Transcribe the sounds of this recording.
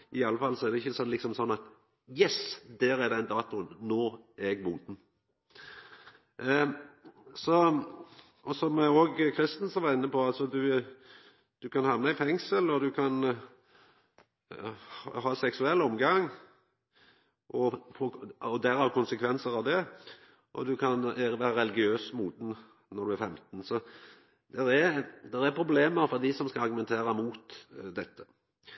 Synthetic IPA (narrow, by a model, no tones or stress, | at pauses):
ʔɪɑlːəfɑlːsɔɛɾd̪ɛɪçːəsɔnlɪksɔmsɔnːɑt̪ | jɛsd̪æːɾæd̪ɛnd̪ɑːt̪ʊənnoːɛɡmuːt̪n̩ | sɔ | ʔɔsɔmɛoːɡkʰɾɪst̪n̩sɔʋɑɾɪnːəpɔɑlsɔd̪ʉ | d̪̥ʉkʰɑnhɑʋnəɪfɛŋsəlɔd̪ʉkʰɑn | ɦɑːsɛksʉɛlːɔmɡɑŋ | ʔɔfoɔd̪æɾæɾkʰʊnsəkʰʋɛnsəɾɑʋd̪ɛ | ʔɔd̪ʉkʰɑnəʋæɾəɾɛlɪɡɪøːsmuːd̪n̩ | nɔɾd̪ʉæɾfɛmt̪n̩sɔ | d̪ɛɾæɾd̪ɛɾæɾpʰɾʊbleːməɾfɔɾd̪ɪsɔmskɑɑɾɡʉmɛnt̪ʰeːɾəmuːt̪d̪ɛt̪ʰːə̥